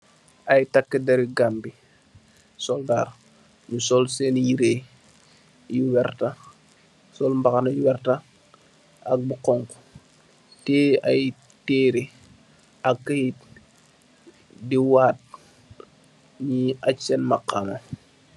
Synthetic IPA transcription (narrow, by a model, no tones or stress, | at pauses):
ajtakːidɐɾiɡambi | sɔldaːr | ɲusɔlsɛnjiɾeː | juwɛrta | sɔlmbakanɐjuwɛrta | ak̚buqɔŋko̥ | tɛːaj | teːɾi | akːɐhit̚ | diwaːt̚ | ɲiat͡ʃːɛnmaqːama